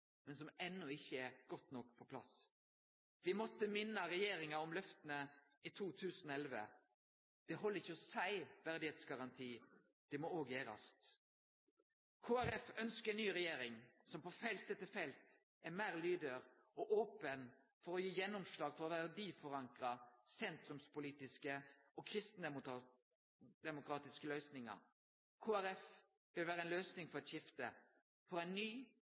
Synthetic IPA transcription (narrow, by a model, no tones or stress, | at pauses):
mɛnsɔmɛnːʊɪçːəɛʁɡ̥ɔt̪nɔkːpʰɔpʰlɑ̰s | ʋɪmɔt̪ːəmɪnːəʁɛjeːɾɪŋɑɔmlœft̪ənə | it̪ʰuːt̪ʰʉːsənɛlʋə̰ | d̪̥ɛɦɔlːəɾɪçəɔsæɪʋæʁd̪ɪheːt̪sɡɑʁɑnt̪ʰiː | d̪̥ɛmɔoːɡjeːɾɑ̰st̪ | kʰoːæɾɛfœnskəɛnyːɾɛjeːɾɪŋsɔmpɔfɛlt̪̚d̪ɛt̪ːəfɛlt̪ | æmæːʁlyːd̪əɾ | ɔʔoːpən | fɔɾɔjiːjɛnːʊmslɑːɡfɔʁɔʋæʁd̪iːfɔʁɑŋkʁɑsɛnt̪ɾʉmspʊliːt̪ɪskəʔɔkʰɾɪst̪n̩ | d̪̥ɛmʊkʰɾɑːt̪ɪskəlœʏsnɪŋɑ̰ʁ | kʰoːæɾɛf | ʋɪlʋæːʁəɛnløːsnɪŋfɔɾɛt̪ʃɪft̪ə | fɔɾæɪnnyː